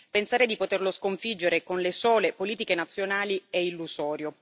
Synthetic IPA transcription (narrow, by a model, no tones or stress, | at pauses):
pensaːɾed̪ipot̪erloskoɱfid͡ʒːeɾekonlesɔːlepoliːt̪ikenat̪sːjonaːlieilːuzɔːɾjo